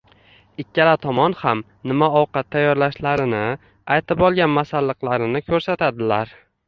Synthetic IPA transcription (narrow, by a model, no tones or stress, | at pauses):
ɪkʲʰːalat̪ʰɒmɒnham | nɪmaɒwqɑt̪ʰːajːɒɾlaʃlaɾɪnɪ | ajt̪ʰɪpɒlˠɡʲanmasalːɨqlˠaɾɪnɪkʰɵɾsat̪ʰad̪ɪlaɾ